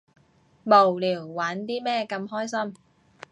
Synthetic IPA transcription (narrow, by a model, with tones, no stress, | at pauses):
mo˨˩wliː˨˩wːaː˨˥nt̪iː˥mɛː˥˩kɐ˧mhɔː˥˩jsɐ˥˩m